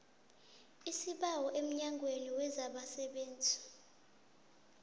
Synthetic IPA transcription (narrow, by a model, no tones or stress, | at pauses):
isiɓawɔʔem̩ɲaŋɡʱʼweniwɛzaɓasɛɓeːnd͡zʱi